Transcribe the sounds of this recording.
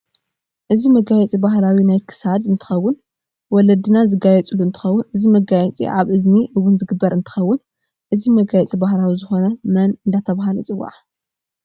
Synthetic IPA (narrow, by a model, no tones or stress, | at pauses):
ʔɨzimɐɡajɛt͡sʼibahlawinajkʰɨ̥sad̪ɨnt̪ʰɨ̥xɐwːʊn | wɔlɐd̪ɨnazɨɡajɛt͡sʼluɨnt̪ʰɨxɐwːʊnʔɨzimɐɡajɛt͡sʼḭʔʕaβʔɨzniʔɨwʊnzɨɡɨbːɐɾɨnt̪ʰɨ̥xɐwːʊn | ʔɨzimɐɡajɛt͡sʼibahlawizɨxo̞nɐmɐnɨnd̪at̪ʰɐβaɦalɐt͡sʼɨwːa̰ʕ